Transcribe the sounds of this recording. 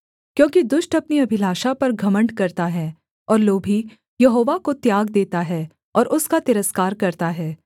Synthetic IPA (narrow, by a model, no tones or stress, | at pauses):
kjõːkid̪ʊʃʈɐpniɐbʱɪlaːʃapɐɾɡʱɐmə̃ɳɖkɐɾt̪aɦɛː | ɔːɾloːbʱi | jɐɦoːʋakot̪jaːɡd̪eːt̪aɦɛː | ɔːɾʔʊskat̪ɪɾəskaːɾkɐɾt̪aɦɛː